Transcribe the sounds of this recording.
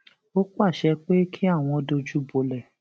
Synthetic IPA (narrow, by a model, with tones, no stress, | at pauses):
o˦k͡pa˦˨ʃɛ˧k͡pe˦kʰi˦a˦˨w̃ɔ̃˧do˧d͡ʒu˦bo˧lɛ˨